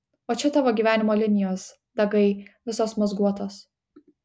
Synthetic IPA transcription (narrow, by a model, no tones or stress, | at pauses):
oːt͡ʃʲɛt̪ɑːʋoːɡʲiːʋʲæːnʲɪmoːlʲɪnʲɪjoːs | d̪ɐɡɐɪʋʲɪsoːsmɐzɡuɔt̪oːs